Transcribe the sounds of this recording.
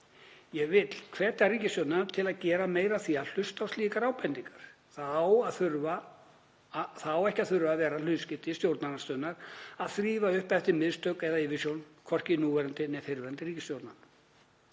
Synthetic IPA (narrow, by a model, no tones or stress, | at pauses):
jɛɣvɪt̪l̥kʰv̥ɛːt̪ariːcɪst̪owɾt̪nant̪ʰɪlaðcɛːɾameːjɾaθial̥ʏst̪awsliːkaɾaːwpɛnt̪iŋkaɾ̥ | θaðawaðθʏɾva | θawɛhcaðθʏɾvaːvɛːɾalʏðscɪt̪ɪst̪jowɾt̪nanḁst̪œnːaɾaðθɾiːvaʏhpɛft̪ɪmɪðst̪œɥkɛðaɪvɪsjownkʰɔr̥cɪnuːvɛɾant̪ɪnɛfɪɾvɛɾant̪ɪɾriːcɪsjowɾt̪nan